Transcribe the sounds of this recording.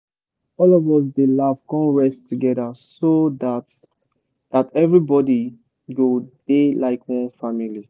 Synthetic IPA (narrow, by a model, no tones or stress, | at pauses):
ɔlɔvɔs̬delavkɔ̃nɹɛstːuɡɛdasodat | ð̥atɛvɹibɔdi | wod̥elaɪkwɔ̃nfamili